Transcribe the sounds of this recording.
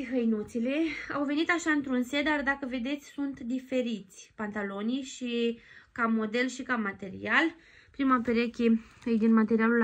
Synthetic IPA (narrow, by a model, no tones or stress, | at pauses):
ɦəjnut̪sile̞a̰wve̞nit̪aʃaɨnt̪ɾunsed̪ard̪akəve̞d̪e̞t̪sʲsunt̪d̪ife̞ɾit̪sʲpant̪alo̞nijʃikamo̞d̪e̞lʃikamat̪e̞ɾḭal | pɾimapeɾekʲeɨjd̪inmat̪eɾialul